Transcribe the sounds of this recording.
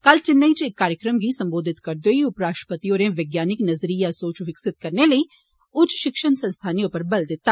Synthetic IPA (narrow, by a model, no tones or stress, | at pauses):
kɐlt͡ʃɪnːait͡ʃɪkːaːɾjəkɾəmɡiːsɐ̃mboːd̪ʱɪt̪kɐɾd̪oːiʊpɾaːsʃʈɾə̥pət̪ioːɾẽʋeɡjaːnɪknɐzɾijasoːt͡ʃʋɪksɪt̪̚kɐɾneləiː | ʊd͡ʒʃɪkʃənsɐ̃nst̪ʰaːnijõpəɾbɐld̪ɪt̪ːaː